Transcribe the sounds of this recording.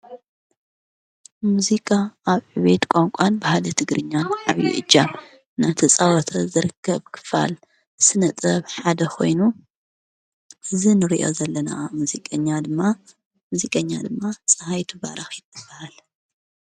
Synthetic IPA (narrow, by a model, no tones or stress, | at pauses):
muzikʼaaβʕɨβet̪kʷʼoŋkʷʼanbɐhalɐt̪ʰɨɡɾɨɲːanʕaβjḭʔɨd͡ʒːam | nat̪ʰisʼawɔt̪ʰɐzɨɾɨkʰːɐβkʰɨ̥fa̰l | sɨnɐt͡sʼɐβħad̪ɐkʰo̞̰jnu | ʔɨzinɨɾiʔo̞̰zɐlːɐna̰muzikʼɐɲːad̪ɨmːa | muzikʼɐɲːad̪ɨmːasʼɐhajt̪ʰuβa̰ɾaxjɪt̪ʰːɨb̥ahal